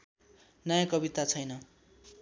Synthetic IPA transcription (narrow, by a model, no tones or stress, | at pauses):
nʌjãkʌbit̪at͡sʰʌjnʌ